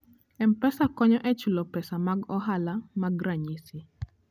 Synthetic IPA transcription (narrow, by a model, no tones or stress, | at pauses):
ɛmpɛsakɔɲɔʔɛt͡ʃulɔpɛsamaɡɔɦalamaɡɾaɲisi